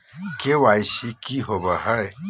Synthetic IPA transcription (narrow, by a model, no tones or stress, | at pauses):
kewajsikiɦobəɦəe